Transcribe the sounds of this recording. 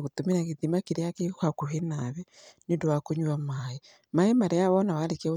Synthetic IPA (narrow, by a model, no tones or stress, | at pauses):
ɣotomiɾaɣetimakeɾeakekwakoɦenaβɛnendowakoɲwamae | maemaɾejaβɔnawaɾekɛo